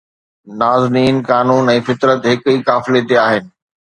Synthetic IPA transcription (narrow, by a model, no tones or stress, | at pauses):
naːzniːnkaːnuːnɛ̃ːfɪt̪ɾət̪ɦɪkiːkaːfɪlet̪eaːɦɪnɪ̆